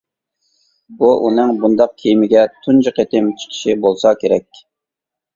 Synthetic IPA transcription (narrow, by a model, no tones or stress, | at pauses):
buʔunɨŋbund̪ɑq̚kʲʰijimɪɡʲɛt̪ʰund͡ʒɨqʰet̪ɪmt͡ʃʰə̥qʰə̥ʃibolˠsɑkʲeɾɛkʲ